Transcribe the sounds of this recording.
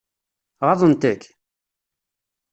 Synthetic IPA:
ʁɑðˤənt̪əkː

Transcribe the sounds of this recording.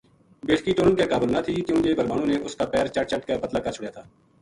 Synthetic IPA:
beːʈʰkiʈoːnənkekaːbəlnat̪ʰiːk̪jõːd͡ʒeːbəɾmaːnõːneʔʊskaːpɛːɾt͡ʃəʈ̚t͡ʃəʈkepət̪laːkat͡ʃʰʊɽjaːt̪ʰaː

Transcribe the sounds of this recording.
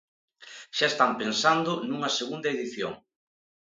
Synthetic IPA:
ʃaest̪ampensand̪ʊnuŋɐseɣund̪ɐeðiθjo̰ŋ

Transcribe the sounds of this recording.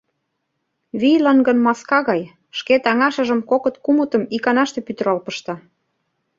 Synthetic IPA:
βijlɑnɡə̆nmɑskɑɣɑj | ʃket̪ɑŋɑʃə̆ʒə̆mkokɤ̆t̪kumə̆t̪ə̆mikɑnɑʃt̪ĕpyt̪ə̆ɾɑlpɤ̆ʃt̪ɑ

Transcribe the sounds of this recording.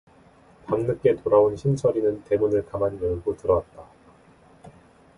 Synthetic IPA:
paŋnɯk͈e̞toɾaonɕʰimsʰʌɾinɯnte̞munɯɭkamanjɯɭɡotɯɾʌt̚t͈a

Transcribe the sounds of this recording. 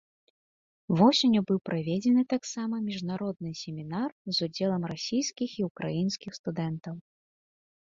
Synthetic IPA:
vɔsʲenʲubɨwpɾavʲɛd͡zʲɛnɨt̪aksamɐmʲiʐnaɾɔd̪̚nɨsʲemʲinarzud͡zʲɛlˠɐmrasʲijskʲixiukɾajinskʲixst̪ud̪ɛnt̪ɐw

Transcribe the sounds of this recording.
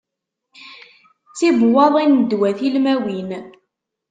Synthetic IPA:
t͡sːibwɑðˤinəd̪wæθilmæwin

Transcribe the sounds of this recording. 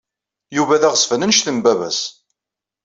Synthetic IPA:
juvæðæʁəsfənənʃθəmbævæ̰s

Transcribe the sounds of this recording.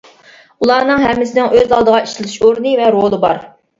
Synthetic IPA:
ulˠɑːnɨŋɦɛmːɪsɪnɪŋʔøzɑlˠd̪əʁɑiʃlɪt̪ʰyʃoɾnɨvɛɾolˠɨbɑɾ

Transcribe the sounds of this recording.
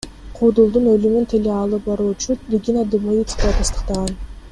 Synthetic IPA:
qʰuːd̪ulˠd̪unølymynt̪ʰeleɑlˠɯp̚bɑɾuːt͡ʃuɾʲiɡʲinad̪umuvʲit̪skaat̪ɑst̪ɯ̥qt̪ɑʁɑn

